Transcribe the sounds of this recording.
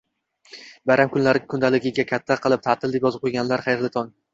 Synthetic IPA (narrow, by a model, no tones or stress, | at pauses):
baɾamkʰʊnlaɾɪkʰʊnd̪alɪɡʲɪɡʲakʲʰat̪ʰːaqɨlˠɪp̚t̪ʰat̪ʰɪld̪ɪpjɒzɪp̚qojɡʲanlaɾχɑjɾlɪt̪ʰɒn